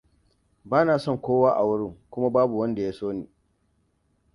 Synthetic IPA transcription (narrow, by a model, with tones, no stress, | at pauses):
baː˦naː˨sɔ˦˨ŋkʷoː˦waː˦ʔa˨wʊ˦ɽɪ˦ŋkʷʊ˦ma˦baː˦bu˨wɐ˦nda˨jaː˦soː˦niː˨